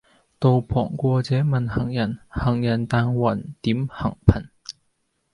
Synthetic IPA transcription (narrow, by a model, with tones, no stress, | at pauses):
t̪o˨˧wpʰɔ̰ː˨˩ŋkʷɔː˧t͡sɛː˨˥mɐ˨nhɐ˨˩ŋjɐ˨˩nhɐ˨˩ŋjɐ˨˩nt̪aː˧ŋwɐ˨˩nt̪iː˨˥mhɐ˨˩ŋpʰɐ˨˩n